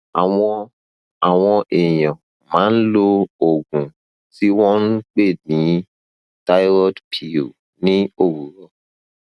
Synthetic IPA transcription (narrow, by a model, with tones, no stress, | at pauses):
a˨wɔ˦ | a˨wɔ̃˧ʔe˨jɔ̃˨ | mã˨˦n̩˦lo˦o˨ɡũ˨ | si˦wɔ̃˦n̩˦k͡pe˦˨nĩ˨˦ | ta˦jɾɔ˦dpʰi˨o˨ | nĩ˦o˨wu˨ɾɔ˦